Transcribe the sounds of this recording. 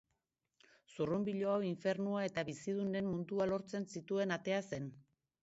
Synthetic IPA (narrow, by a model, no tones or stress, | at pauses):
surumbiʎo̞awiɱfe̞ɾnuae̞t̪aβisið̞une̞mmund̪ualo̞ɾt͡se̞nsit̪ue̞nat̪e̞ase̞n